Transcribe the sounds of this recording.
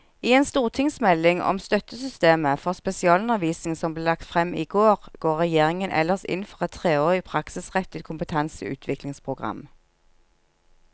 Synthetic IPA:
iːeːnst̪uːʁt̪ʰɪŋsmɛlːɪŋɔ̰mst̪œt̪əsʏst̪eːməfɔʁspɛsɪɑːlʊnɛʋiːsɪŋsɔmbleːlɑkt̪fʁɛmḭːɡoːʁɡ̥oːʁʁɛjeːʁɪŋənʔɛ̰lːəʁsɪ̰nfɔʁɛt̪ʰːʁeːoːʁɪpʰʁɑksɪsʁɛt̪ːɪt̪kʰʊmpət̪ʰɛnsə̰ʉ̰ːt̪ʰʋɪklɪŋspʰʁʊɡʁɑ̰m

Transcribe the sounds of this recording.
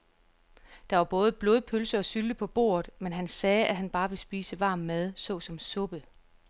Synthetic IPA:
d̥ɑ̈ʋɑ̈b̥ɔ̽ːð̞ˠəb̥lo̝ðˠpʰølsɐɒ̽syld̥əpʰɒ̽b̥o̝̰ːɐð̩ˠmenɦænsɛːʔæɦænb̥ɑ̈ːʋe̝sb̥ḭːsəʋɑ̰̈ːmːæð̞ˠsɔ̽ːsɒ̽msɔ̽b̥ə

